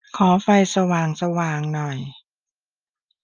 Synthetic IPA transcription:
kʰɔː˩˦fa˧jsa˧waː˨˩ŋsa˧waː˨˩ŋnɔ˨˩j

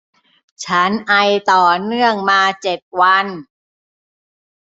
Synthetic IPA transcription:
t͡ɕʰa˦˥nʔa˧jt̪ɔː˨˩nɯ˥˩əŋmaː˧t͡ɕe˨˩t̪̚wa˧n

